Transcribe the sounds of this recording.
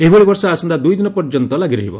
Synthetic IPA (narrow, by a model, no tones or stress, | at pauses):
eiboɭibɔɾsɔasɔnd̪ad̪ujd̪inɔpɔɾd͡ʒɔnt̪ɔlaɡiɾɔɦibɔ̰